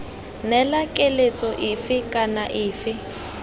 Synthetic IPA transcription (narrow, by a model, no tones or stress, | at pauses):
nɛlakʼelet͡sʼɔʔɪfɪkʼanaʔɪːfɪ